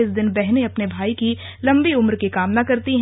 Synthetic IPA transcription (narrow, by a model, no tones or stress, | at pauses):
ɪs̬d̪ɪnbɛɦneɐpnebʱaːiki | lɐ̃mbiʊmɾkekaːmnakɐɾt̪iɦ